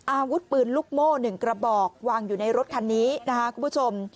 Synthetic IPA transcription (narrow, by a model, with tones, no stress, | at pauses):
ʔaː˧wu˦˥t̪̚pɯː˨˩nluː˦˥˩k̚moː˥˩nɯ˨˩ŋkɾa˧bɔː˨˩k̚waː˧ŋjuː˨˩na˧jɾo˦˥t̪̚kʰa˧nːiː˦˥na˦˥kʰa˦˥kʰu˧˩mʰpu˥t͡ɕʰo˧m